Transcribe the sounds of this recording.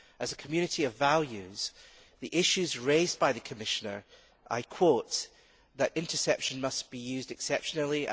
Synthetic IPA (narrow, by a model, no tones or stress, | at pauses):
əzəkʰəmjʉñɪʔiəvvalˠjʉz̥ | ðiʔɪʃʉzɹezbaɪðɨkʰəmɪʃə̃nə̰˞ | ʔa̰ɪkʰw̥oʔ | ðəʔɪ̃ntʰə˞sɛpʃə̃nmʌsb̥ijʉzdɨksɛpʃənl̩ˠi